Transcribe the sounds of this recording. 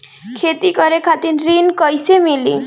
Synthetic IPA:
kʰet̪ikoɾekʰat̪inɾinkɔjsemili

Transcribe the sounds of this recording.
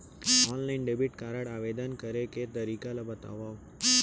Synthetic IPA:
ɔnlainɖebiʈkaɾəɽaʋed̪ənkəɾeket̪əɾikalabət̪a̰ʋaʋ

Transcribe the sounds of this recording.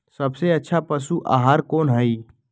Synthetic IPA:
sɐbseɐtːʃʰapəsuʔa̰ːɦaːɾkoːnɦəi

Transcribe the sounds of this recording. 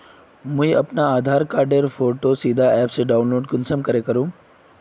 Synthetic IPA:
mũjʔɐ̰pnaaːd̪ʱaɾkaɾɖeɾfoʈosid̪ʱaɛpseɖaunloːɖkʊnsəmkəɾekəɾũː

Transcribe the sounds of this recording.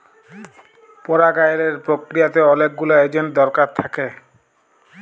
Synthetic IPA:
pɔɾaɡajeɾeɾpɾokɾijat̪eɔlek̚ɡuloed͡ʑenʈd̪ɔɾkaɾt̪ʰake

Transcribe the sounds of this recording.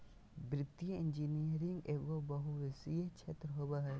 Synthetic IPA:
bɾɪt̪ːjəɪnd͡ʒiːnijəɾɪ̃ŋɡeːɡobɐɦuʋɪsiet͡ʃʰeːt̪ɾɦoːbaɦɛ

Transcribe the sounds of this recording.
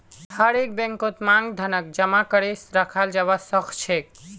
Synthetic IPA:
həɾek̚bɛ̃ŋkot̪mãŋɡd̪ʱənək̚d͡ʒəmakəɾesɾəkʰald͡ʒaβasəkʰt͡ʃʰek

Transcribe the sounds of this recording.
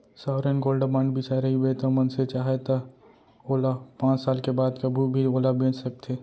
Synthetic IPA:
saːʋɾenɡoːlɖəbãːɳɖbit͡ʃaɾɐɦiwet̪ɐmɐnset͡ʃaːɦet̪ɐ | oːlapãːt͡ʃsaːlkebaːd̪kɐbʱubʱioːlabẽːt͡ʃsɐk̚t̪ʰeː

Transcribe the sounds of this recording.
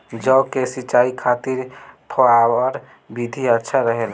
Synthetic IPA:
d͡ʒəʊkesit͡ʃaikʰat̪iɾpʰəawɔɾ | bid̪ʱiətːʃʰaɾəɦel

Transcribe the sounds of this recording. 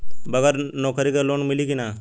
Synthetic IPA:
bəɡəɾnɔːkəɾikeloːnmɪliɡina

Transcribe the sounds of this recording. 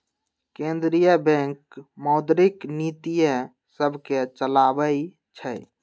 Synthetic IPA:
kẽnd̪ɾijəbɛ̃ŋkmɔwd̪ɾiknit̪ijə | səbʱket͡ʃəlabəj | t͡ʃʰə

